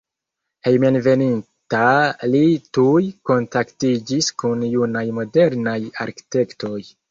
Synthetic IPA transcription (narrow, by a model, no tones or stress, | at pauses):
hejmenve̞nin | talitujko̞ntaktid͡ʒiskunjunajmo̞de̞ɾnaja̰ɾki̥te̞kto̞j